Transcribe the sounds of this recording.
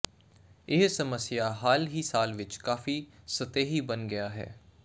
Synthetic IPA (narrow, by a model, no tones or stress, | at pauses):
ɪɦsəməsɪjaːɦaːlɦiːsaːlʋɪt͡ʃkaːfiːsət̪eːɦiːbənɡɪjaːɦɛ̰ː